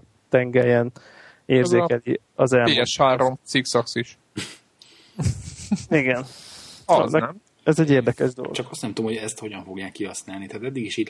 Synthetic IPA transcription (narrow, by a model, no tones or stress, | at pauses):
t̪ɛŋɡɛjɛn | eːrzeːkɛli | ɒzɛlːjɛʃhaːɾo̞mt̪siksɒksiʃ | iɡɛn̰ | nɛm | ɛzɛɟːeːrd̪ɛkɛʒd̪o̞̰lo̰ɡt͡ʃɒkɒst̪nɛmt̪uomhoɛst̪ho̞ɟɒɱfo̞ɡjaːkːiɦɒsnaːlnit̪ɛɦaːt̪ɛd̪ːiɡiʃit̪